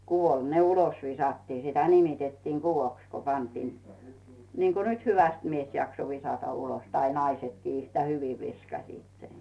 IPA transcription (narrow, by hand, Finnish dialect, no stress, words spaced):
kuʋol ne ulos ʋisɑtːiː sitæ nimitetːiːŋ ɡ̊uʋoks ku pɑntiːn niːŋko nyt hyʋæst mies jɑkso ʋisɑtɑ ulos tɑi nɑisetkiː yhtæ hyʋi ʋiskɑsiːt sen